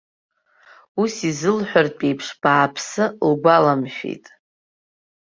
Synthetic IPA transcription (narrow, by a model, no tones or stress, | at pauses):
usizɨlħʷᶣarpʼejpʰʂb̥aːpʰsɨlɡʷalamʃᶣḛjtʼ